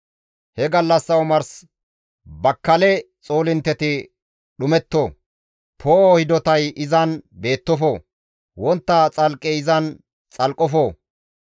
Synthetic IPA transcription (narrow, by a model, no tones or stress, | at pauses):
hɛɡɐlːɐsːɐwmɐɾs | bɐkːɐlɛ | t͡sʼoːlɪnt̪ːɛt̪ɪ | ɗʊmɛt̪ːoː | pʰoːohɪd̪ɔt̪ɐjɪzɐnbe̞ːt̪ːɔfoː | wɔnt̪ːɐt͡sʼɐlkʼːɛɪzɐn | t͡sʼɐlkʼːɔfoː